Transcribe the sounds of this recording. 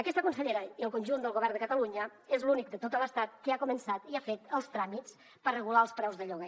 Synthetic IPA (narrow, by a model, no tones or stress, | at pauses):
əkɛst̪əkunsəʎeɾəiəlˠkunʲʒund̪əlɣoβɛɾrnd̪əkət̪əluɲəezlunik̚d̪ət̪ot̪ələst̪at̪̚kəakumənsat̪iafet̪əlˠst̪ɾamit͡s | pərrəɣulaəlˠspɾɛwzðəʎɔɣə